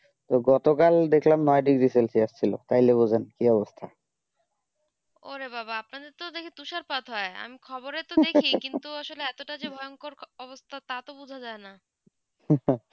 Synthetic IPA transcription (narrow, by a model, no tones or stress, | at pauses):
t̪oɡɔt̪okald̪ekʰlamnɔeaɖikɾiselsiaʃt͡ɕʰilo̰t̪ajlebud͡ʑʱenkiɔbost̪ʰa | o̰ɾebabaapnad̪eɾt̪od̪ekʰit̪uʃaɾpat̪ɦɔea̰mikʰɔboɾet̪oekʰikint̪uaʃoleɛt̪oʈad͡ʑebʱɔjoŋkoɾɔbost̪ʰat̪at̪obud͡ʑʱad͡ʑaena